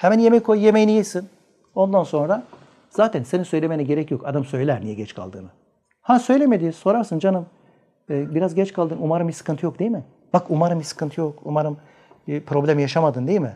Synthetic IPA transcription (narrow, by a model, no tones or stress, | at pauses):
hɛmænjemɛjkʰojjemejinijesin | o̞nd̪anso̞nɾa | z̥aːt̪ʰænse̞nisø̞jlʲe̞meniɟe̞ɾɛcjo̞kad̪amsø̞jlʲæɾnijɛɟɛt͡ʃkʰa̰lˠd̪ɯ̰ːnɯ | hasø̞jlʲeme̞d̪iːso̞ɾaɾsɯnd͡ʒanɯmː | biɾazɟɛt͡ʃkʰalˠd̪ɯːnumaɾɯmisɯ̥kʰɯnt̪ɯjo̞k̚d̪ejimɪ | b̥akumaɾɯmisɯ̥kʰɯnt̪ʰɯjokṵmaɾɯm | pɾo̞blʲemijaʃamad̪ɯnd̪ejimɪ